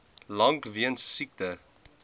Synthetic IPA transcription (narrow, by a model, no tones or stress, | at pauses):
lɐŋkviənsːik̚tə